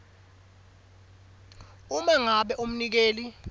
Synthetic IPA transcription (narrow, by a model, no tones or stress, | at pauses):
umaŋaɓɛʔum̩nik̬eːli